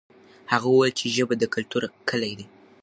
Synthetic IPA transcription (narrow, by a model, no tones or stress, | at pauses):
haɣawuwelt͡ʃeʒəbad̪əkʊlt̪uɾkʰəlajd̪e